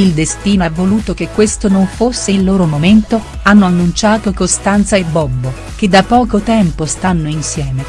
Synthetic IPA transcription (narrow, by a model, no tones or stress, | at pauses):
ild̪est̪iːnoavːoluːt̪ok̟ekːwest̪onoɱfosːelːoːɾomoment̪oanːoanːunt͡ʃaːt̪okost̪ant̪saebːɔbbo | k̟ed̪ːapːɔːkot̪ɛmpost̪anːoinsjɛːme